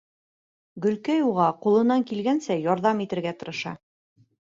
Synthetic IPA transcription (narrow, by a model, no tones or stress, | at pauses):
ɡɵ̆lkæjuʁɑqulˠɤ̆nɑŋkilɡænsæjɒɾðɑmit̪ɘ̆ɾɡæt̪ɤ̆ɾɤ̆ʃɑ̰